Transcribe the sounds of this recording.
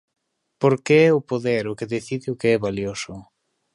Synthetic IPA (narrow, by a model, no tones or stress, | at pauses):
poɾkeɛʊpoðeɾʊkeðeθiðɪʊkeɛβaljosʊ